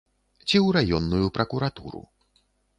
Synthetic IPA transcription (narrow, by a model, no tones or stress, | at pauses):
t͡sʲiwɾajɔnːujupɾɐkuɾat̪ṵɾṵ